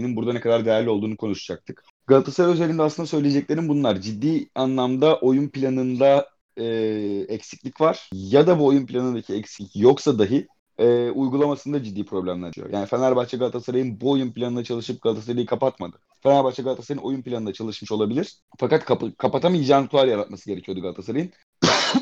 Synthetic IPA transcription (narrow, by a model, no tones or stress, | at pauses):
ninbuɾd̪anekʰad̪aɾd̪ejæɾlʲio̞lˠd̪uːnukʰo̞nuʃad͡ʒak̚t̪ʰɯ̥k | ɡ̥alˠat̪ʰḁsaɾøzeɾʲind̪ɛasɯnd̪asø̞jlʲijed͡ʒɛclʲe̞ɾinbunlˠaɾd͡ʒid̪ːiːanlˠamd̪aʔo̞junpilʲanɯnd̪a | ɛɛcsi̥clʲicvaɾ̥jad̪abuo̞junpilʲanɯnd̪acʰiɛcscjo̞ksad̪aɦɯ | ɛːujɡulˠamasɯnd̪ad͡ʒid̪ːiːpʰɾo̞blʲæmlʲæ̰ɾd̪ijo̰ja̰ːnifɛnæɾbaht͡ʃʰaɡalˠt̪ʰasaɾajɯnbuo̞junpilʲanɯnd̪at͡ʃʰalˠɯʃɯp̚ɡalˠt̪ʰasaɾajɯkʰapat̪ma̰d̪ɯ̥ | fenæɾbaht͡ʃʰaɡalˠt̪ʰḁsajɯno̞junpʰlʲanɯnd̪at͡ʃʰalˠɯʃmɯʃo̞lˠabilʲiɾ̥ | fakat̪kʰakʰapat̪ʰamid͡ʒant̪ʰaɾjaɾat̪̚masɯɟe̞ɾɛcʰijo̞d̪uɡalˠt̪ʰasaɾajɯn